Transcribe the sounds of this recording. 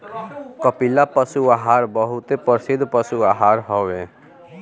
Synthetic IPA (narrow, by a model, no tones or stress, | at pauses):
kəpilapəsuaɦaːɾbəɦʊt̪epəɾsɪd̪ʱpəsuaɦaɾɦɔwe